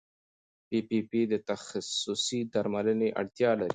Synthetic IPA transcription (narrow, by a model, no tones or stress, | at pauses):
pipipid̪ət̪axasʊsid̪aɾmaləneʔa̰ɽt̪jɑlaɾi